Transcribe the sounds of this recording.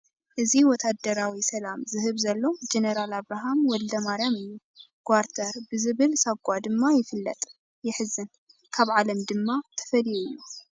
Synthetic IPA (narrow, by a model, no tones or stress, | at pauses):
ʔɨziwɔt̪ʰad̪ɐɾawisɐlamzɨɦɨβzɐlːo̞d͡ʒenɐɾalaβɾaɦamwɔld̪ɐmaɾjamɨjːu | ɡ̥waɾt̪ʰɐɾbɨzɨβɨlsɐɡʷad̪ɨmːajɪfɨlːɐ̰t̪ʼ | jɪħɨzːɨn | kʰaβʕalɐmd̪ɨmːat̪ʰɐ̥fɐlijuɨjːu